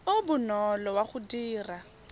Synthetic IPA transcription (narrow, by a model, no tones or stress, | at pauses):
ʊbʊnɔlɔwaχʊdiːra